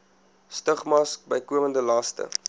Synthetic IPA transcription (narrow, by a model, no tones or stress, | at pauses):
stəχmɐsk̚bəjkuəməndəlɑːstə̰